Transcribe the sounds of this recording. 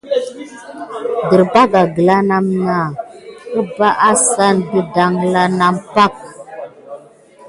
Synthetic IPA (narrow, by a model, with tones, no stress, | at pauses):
də˨ɾba˦ɡa˨ɡə˨la˦na˦mna˨ə˦ba˦ʔa˦sa˦˨nbi˦da˨ŋla˦na˨mpa˦˨k̚